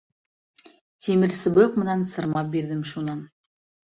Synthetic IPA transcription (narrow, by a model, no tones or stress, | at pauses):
t̪ʰemɪɾsɪbɤjqmə̆nɑnsɤ̆ɾmɑp̚beɾd̪ɪmʃunɑn